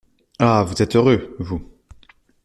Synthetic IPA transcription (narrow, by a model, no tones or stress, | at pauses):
avuzɛt̪øʁøvu